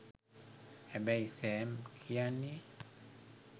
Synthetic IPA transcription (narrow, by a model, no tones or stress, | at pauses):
ɛbɛisɛmkʰiani